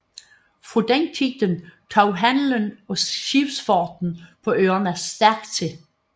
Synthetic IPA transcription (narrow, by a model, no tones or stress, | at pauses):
fʁud̥eŋkʰiɡ̥̚d̥ənt͡sʰɒʊɦænlənɒ̽ʃib̥sfɒːd̥n̩pʰɒ̽ʔøːɐnæɐsd̥æɐ̰ɡ̥t͡sʰe̝l